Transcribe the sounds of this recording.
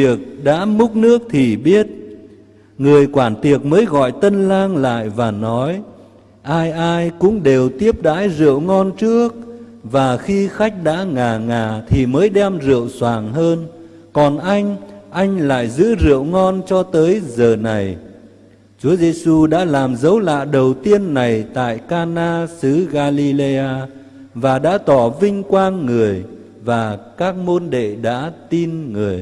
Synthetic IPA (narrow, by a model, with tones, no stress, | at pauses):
vi˨˩ək̚ɗa̰ː˧˥mʊ˦˥k͡p̚nɨ˦˥ək̚t̪ʰi˨˩ɓi˦˥ət̚ | ŋɨ˨˩əjkwaː˧˩nt̪i˨˩ək̚məː˨˦jɣɔ̰˧˨jt̪ə˧nlaː˧ŋla̰ː˧˨jvaː˨˩nɔ˨˦j | ʔaː˧jʔaː˧jkʊ̰˧˥ŋ͡mɗe˨˩wt̪i˦˥əp̚ɗa̰ː˧˥jzɨ̰˧˨əwŋɔ˧nt͡ɕɨ˦˥ək̚vaː˨˩xi˧xa˦˥jk̟̚ɗa̰ː˧˥ŋaː˨˩ŋaː˨˩t̪ʰi˨˩məː˨˦jɗɛ˧mzɨ̰˧˨əwswaː˨˩ŋɦəː˧n | kɔ˨˩nʔa˧jŋ̟ʔa˧jŋ̟la̰ː˧˨jzɨ̰˧˥zɨ̰˧˨əwŋɔ˧nt͡ɕɔ˧t̪əː˨˦jzəː˨˩na˨˩j | t͡ɕu˨˦əze˧su˧ɗa̰ː˧˥laː˨˩mzə˨˦wla̰ː˧˨ɗə˨˩wt̪i˧ənːa˨˩jt̪a̰ː˧˨jkaː˧naː˧sɨ˨˦ɣaː˧li˧le˧aː˧ | vaː˨˩ɗa̰ː˧˥t̪ɔ˧˩vï˧ŋ̟kwaː˧nŋɨ˨˩əj | vaː˨˩kaː˦˥k̚mo˧nɗḛ˧˨ɗa̰ː˧˥t̪i˧nŋɨ˨˩əj